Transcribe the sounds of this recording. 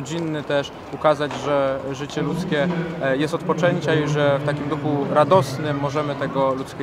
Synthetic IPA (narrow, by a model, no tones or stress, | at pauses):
d͡ʑinːɘt̪ɛʂ | ukazad͡ʑʐɛʐɘt͡ɕɛlut̪skʲɛjɛst̪ɔt̪pɔt͡ʂɛɲt͡ɕaiʐɛft̪akʲimd̪uxuɾad̪ɔsnɘmːɔʐɛmɘt̪ɛɡɔlut̪skʲɛ